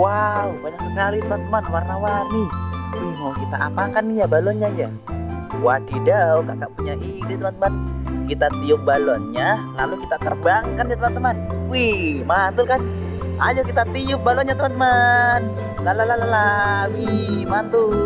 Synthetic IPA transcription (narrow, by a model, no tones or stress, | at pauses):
waubaɲaksəkalit̪əmant̪əmanwarnawaɾi | ɦɔkit̪aʔa̰pakanijabalɔnɲaja | wadidauɡaʔɡaʔpuɲaʔiɾit̪əmant̪əmankit̪at̪iʊk̚balɔnɲalalukit̪at̪ərbaŋkandit̪əmant̪əmanwimant̪ʊlkan | ʔa̰d͡ʒakit̪at̪iʊk̚balɔnɲat̪əmant̪əman | lalalalalawimant̪u